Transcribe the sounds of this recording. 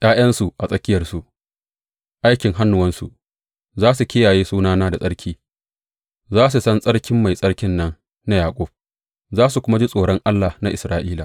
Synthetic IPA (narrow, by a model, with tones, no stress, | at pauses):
jʔaː˦j̰ɐ˦nsu˨ʔa˨sʼɐ˦kʲɪ˦jɐ˨rsu˨ʔ | ʔa˦jkʲɪ˨ŋɦa˦nːʊ˨wɐ˦nsṵ˨ʔ | zaː˦su˨kʲɪ˦jaː˨jeː˦suː˦naː˦naː˦da˨sʼɐ˦ɽkʲʰiː˦ | zaː˦s̬u˨sɐ˦nsʼɐ˦ɽkʲɪ˦mːa˨jsʼɐ˦ɽkʲɪ˦nːɐ˦n | na˦jaː˨kʷʼʊ˦˨b̥̚ | zaː˦s̬u˨kʷʊ˦ma˦d͡ʒi˦sʼoː˨ɽɔ˦ŋʔa˦lːa˨na˦ʔɪ˨sɾaː˨˦ʔiː˦la˨ʔ